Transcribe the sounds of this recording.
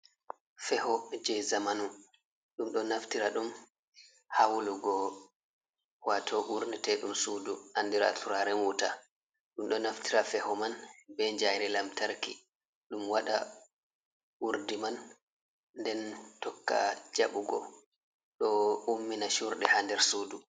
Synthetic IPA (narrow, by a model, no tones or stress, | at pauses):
fɛhɔd͡ʒɛjzamanu | ɗumɗɔnaftiɾaɗum | hawluɡɔ | watʰɔʔuɾnɛtɛɗumsuːduhandiɾa̰tuɾaɾɛnwuta | ɗumɗɔnaftiɾafɛhɔmanbɛɲd͡ʒajɾɛlamtaɾki | ɗumwaɗa | ʔuɾdiman | ndɛntɔkːa̰d͡ʒaɓuɡɔ̰ | ɗɔumːinaʃuɾɗɛhandɛɾsuːdu